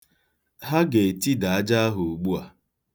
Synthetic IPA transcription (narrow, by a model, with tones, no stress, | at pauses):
ɦa˦ɡe˨e˨ti˦da˨a˦d͡ʒa˦a˦ɦʊ˨o˨ɡ͡bu˦a˨